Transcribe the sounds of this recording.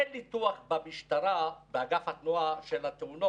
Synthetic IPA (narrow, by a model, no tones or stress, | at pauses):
enːit̪uaχbamiʃt̪aɾabeaɡafhat̪nuaʃelat̪euno